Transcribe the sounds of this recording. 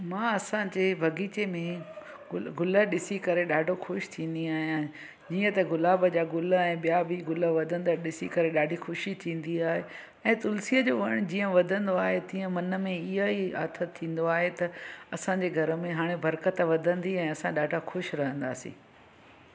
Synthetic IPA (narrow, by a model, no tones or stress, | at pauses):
mãːɐsãd͡ʑeːbʱɐɡiːt͡ɕemẽ | ɡʊləɗɪsikɐɾeɗaːɖʱoxʊʃt̪ʰĩːnd̪iaːɦijã | d͡ʑiːə̃t̪ɐɡʊlaːbəd͡ʑaːɡʊləɛ̃ːɓijabʱiɡʊləʋɐd̪ʱə̃nd̪aɗɪsikɐɾeɗaːɖʱixʊʃit̪ʰĩːn̆d̪iaːɦe | ɛ̃ːt̪ʊlsiəd͡ʑoːʋɐəɽ̃d͡ʑĩːə̃ʋɐd̪ʱə̃nd̪oaːɦet̪ĩːə̃mɐnəmẽɪɦəia̰ːt̪ʰət̪ʰːĩːn̆d̪oaːɦet̪ɐɐsãɲd͡ʑeːɡʱɐɾə̆mẽɦaːɽ̃ebɐɾkət̪ʋɐd̪ʱə̃nd̪iɛ̃ːɐsãɗaːɖʱaxʊʃɾɐɦə̃nd̪a̰ːsḭ̃ː